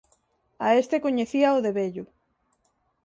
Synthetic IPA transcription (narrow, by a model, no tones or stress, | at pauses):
aest̪ekoɲeθiɐoðeβeʎʊ